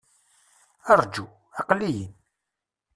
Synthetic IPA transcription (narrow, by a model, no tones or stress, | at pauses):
ɑrˤd͡ʒu | ɑqlːijən